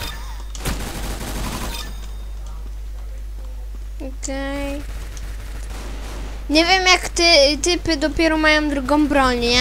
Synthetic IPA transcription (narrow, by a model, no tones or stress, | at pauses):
ɔkɛj | ɲɛvʲjɛmjakt̪ɛt̪ɘpɘd̪ɔpʲjɛɾɔmajɔ̃w̃d̪ɾuɡɔ̃m̃bɾɔɲ